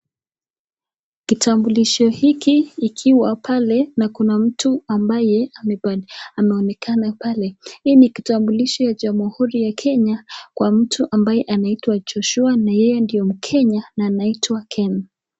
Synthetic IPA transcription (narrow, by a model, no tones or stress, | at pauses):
kitambuliʃɔhikiːkʰiwapʰalɛnakunam̩tuambajɛamɛamɛɔnɛkʰanapalɛiniki̥tambuliʃɔjad͡ʒamuhuɾijakʰɛɲakwam̩tʰuʔambajɛʔanaitwad͡ʒɔʃuanajɛjɛndijɔm̩kʰɛɲanaːnaitwakʰɛn